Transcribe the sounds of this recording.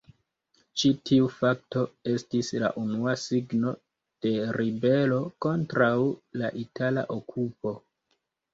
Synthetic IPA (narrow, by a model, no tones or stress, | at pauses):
t͡ʃitiufak̚to̞e̞stisla̰ʔunuasiɡno̞ | d̥e̞ɾibe̞lo̞ko̞ntɾawlaʔitala̰ʔokʰupo̞